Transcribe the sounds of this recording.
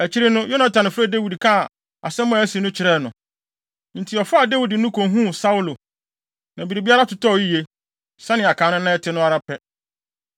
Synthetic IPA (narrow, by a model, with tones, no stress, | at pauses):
æ˨t͡ɕʰi˦ɾɪ˦nʊ̃˦jo˦nã˦tʰã˨nɪ̃˨fɾɛ˦de˦wi˨dkʰã˦˨ | a̰˨sɛ˦mʊ̃˦˨˦æ˦si˨˦nʊ̃˦t͡ɕʰɪ˨ɾɛː˦˨nʊ̃˨ | n̩˨tʰɪ˨ɔ˨fʊ˦a˨de˦wi˨dɪ˨nʊ̃˦kʰõ˨ɦũ˦˨sa˦wu˦lo˨ | nã˨bi˨ɾi˨bi˦a˦ɾa˦tʊ˨tʰɔ˦˨i˦je˦ | sã˦nɪ̃˨a˨kʰãː˨˦nʊ̃˦nã˦ɛ˦tʰɪ˦nʊ̃˦a˦ɾa˦pʰɛ˦